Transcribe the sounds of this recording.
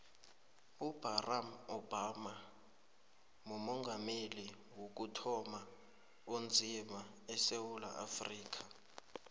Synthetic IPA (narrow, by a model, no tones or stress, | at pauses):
ub̥ʱaramɔb̥ʱama | mumɔŋɡʱameli | wok̬utʰɔma | ond͡zʱima | ɛsewula̰ʔa̰friːk̬ʰʼa